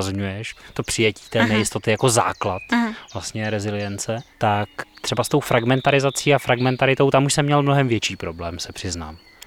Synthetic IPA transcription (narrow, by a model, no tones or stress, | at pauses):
zɲujɛʃt̪o̞pr̝̥ɪjɛci̥ːt̪ɛːnɛjɪst̪o̞t̪ɪjakoza̰ːklat̪vlast̪ɲɛɾɛzɪlɪjɛnt͡sɛt̪akt̪r̥ɛbast̪owfɾaɡmɛnt̪aɾɪzat͡siːafɾaɡmɛnt̪aɾɪt̪o̞wt̪amuʃsɛmːɲɛlmno̞ɦɛmvjɛt͡ʃiːpɾo̞blɛːmsɛpr̥ɪzna̰ːm